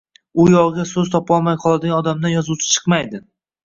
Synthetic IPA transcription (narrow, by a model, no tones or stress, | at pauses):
ʊjɒʁɡʲasɵzt̪ʰɒpɒlˠmajqʰɒlˠad̪ɪɡanɒd̪amd̪anjɒzuwt͡ʃʰɪ̥t͡ʃʰɨ̥qmajd̪ɪ